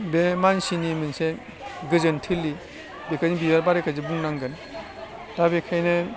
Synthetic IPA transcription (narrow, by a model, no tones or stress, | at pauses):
bemansinimɯnse | ɡɯzɯntʰɯlːi | bekʰajnibijaɾbaɾekʰazibuŋnaŋɡɯn | dabekʰajne